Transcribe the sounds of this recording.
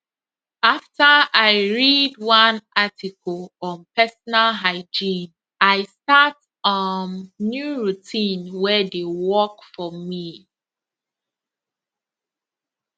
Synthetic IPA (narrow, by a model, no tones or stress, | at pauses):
aftəaɪɹidwãnʔatʰikʰɔlɔ̃npɛsɔnalɦaɪd͡ʒĩn | aɪstat | ɔnːjuɹutʰĩnwɛdewɔkfɔmi